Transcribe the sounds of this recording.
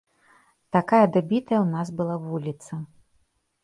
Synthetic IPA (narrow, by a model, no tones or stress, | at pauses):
t̪akajɐd̪abʲit̪ɐjɐwnasbɨlˠavulʲit̪sɐ